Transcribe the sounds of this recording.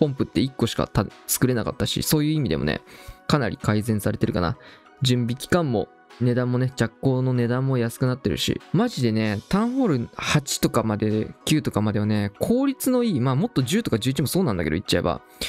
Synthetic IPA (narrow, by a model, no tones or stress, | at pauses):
põ̞mpɯ̟t̪ːe̞ikːo̞ɕi̥ka̰t̪at͡sɨ̥kɯɾe̞naka̰t̪ːaɕḭso̞ːjɯ̟ːimʲid̪e̞̰onḛkanaɾʲḭkaizẽ̞ɰ̃saɾe̞t̪e̞ɾɯ̟ka̰na̰ | d͡ʑɨ̃mbʲikʲi̥kãmːo̞̰ | ne̞d̪ãmːo̞ne̞d͡ʑakːo̞ːno̞ne̞d̪ãmːo̞jasɨ̥kɯnat̪ːe̞ɾɯ̟̰ɕḭmaʑid̪e̞ne̞t̪ãɰ̃ɸo̞ɾɯ̟hat͡ɕi̥t̪o̞kamad̪e̞kʲɨːt̪o̞kamad̪e̞β̞ane̞kʰo̞ːɾʲit͡sɨno̞iːmaːmo̞t̪ːo̞ʑɨːt̪o̞kaʑɨːit͡ɕimo̞so̞ːnãnd̪akḛo̰it͡ɕːaḛba̰